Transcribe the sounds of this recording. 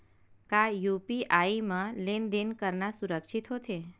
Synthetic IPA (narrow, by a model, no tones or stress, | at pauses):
kajupiʔaimãlend̪enkəɾnasuɾəkʃit̪ɦot̪ʰe